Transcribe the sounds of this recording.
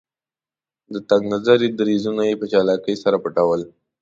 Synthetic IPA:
d̪ət̪aɡnazaɾid̪aɾizunajepət͡ʃɑlɑkəjsaɾapəʈawəl

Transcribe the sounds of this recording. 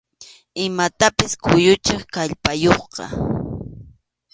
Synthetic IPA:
ɪmat̪apɪskʊjʊt͡ʃɪχkaʎpajoχqɑ̰

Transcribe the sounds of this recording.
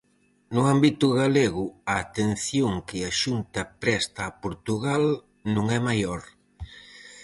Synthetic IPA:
nʊambit̪ʊɣaleɣʊɐːt̪en̟θjoŋkɪɐʃunt̪ɐpɾɛst̪ɐːpoɾt̪uɣal | nũŋɛmajɔɾ

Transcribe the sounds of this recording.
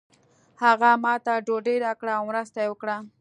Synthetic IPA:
haɣamɑt̪aɖoɖejɾakɽaːwmɾəst̪ajewəkɽa

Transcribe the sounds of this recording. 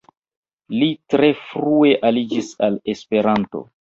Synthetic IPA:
litɾe̞fɾue̞ʔalid͡ʒisale̞spe̞ɾanto̞̰

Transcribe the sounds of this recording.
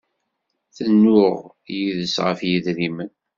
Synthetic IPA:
θənːʊʁ | jiðəsʁə̰fjiðɾimən

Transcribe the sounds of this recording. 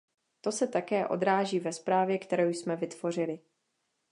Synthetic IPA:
t̪o̞sɛt̪akɛːʔo̞̰d̪ɾaːʒiːvɛspɾaːvjɛkt̪ɛɾowjsmɛvɪt̪vo̞r̝ɪlɪ

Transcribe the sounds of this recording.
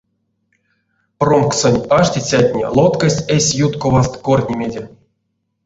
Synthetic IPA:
promksonʲaʂtʲit͡sʲatʲnʲḛlˠot̪kasʲtʲesʲjut̪kovast̪korʲnʲemʲedʲe

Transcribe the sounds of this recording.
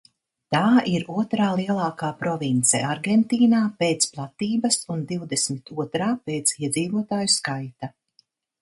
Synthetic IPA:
t̪aːiɾuɔt̪ɾaːlˠiɛlˠaɑːkaːpɾɔvint̪sɛ̰ʔaɾɡɛnt̪iːnaːpeːt̪splˠat̪iːbɐsund̪iwd̪esmit̪uɔt̪ɾaːpeːt̪siɛd̪ziːvuɔt̪aːjuskajt̪a

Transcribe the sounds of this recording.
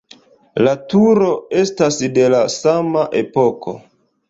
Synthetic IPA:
latuɾo̞e̞stasde̞lasamaʔepo̞kʰo̞̰

